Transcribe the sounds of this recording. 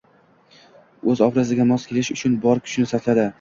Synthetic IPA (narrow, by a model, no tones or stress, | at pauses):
ɵzɒbɾazɪɡʲamɒskʲʰelɪʃʊt͡ʃʰʊnbɒɾkʲʰʊ̥ʃɪnɪsat̪lad̪ɪ